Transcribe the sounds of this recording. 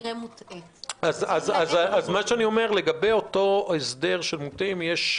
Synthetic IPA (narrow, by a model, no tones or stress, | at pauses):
emuti | azazazazmaʃeanio̞me̞ʁle̞ɡabe̞jo̞to̞esde̞ʁʃelmutimjeʃ